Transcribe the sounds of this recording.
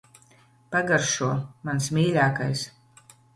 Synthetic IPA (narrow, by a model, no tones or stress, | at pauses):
paɡaɾʃuɔmansmʲiːlʲaːkajs